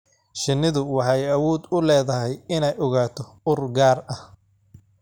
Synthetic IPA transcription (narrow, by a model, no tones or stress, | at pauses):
ʃɪnɪðʊwɑħɑjɐwɔːd̪ʊlɛːðɐɦɛjɪnɛjʔɔɣaːt̪ʰɔ | ʊrɡaːrɐh